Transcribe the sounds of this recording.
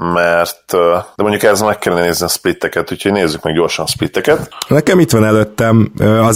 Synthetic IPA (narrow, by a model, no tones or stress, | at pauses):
mɛrt̪d̪ɛmo̞ɲɟukɛzmɛkːɛlːɛnɛneːzniɒspɾit̪ːɛkɛt̪hucʰhoɟneːzːykmɛɡɟo̞ːrʃɒnɒspɾit̪ːɛkɛt̪nɛkɛmit̪ʋɒnɛløt̪ːɛmøɒz